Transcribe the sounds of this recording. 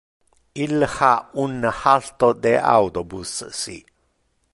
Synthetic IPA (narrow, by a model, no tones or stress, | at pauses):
iləhaʔunːahalt̪od̪ea̰wt̪obusə̰sḭʔ